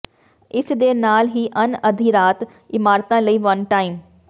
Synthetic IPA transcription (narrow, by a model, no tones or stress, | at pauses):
ɪsd̪eːnaːlɦiːʔɐnɐd̪ʱiɾaːt̪ | ɪmaːɾt̪ãlɐiːʋɐnʈaːɪm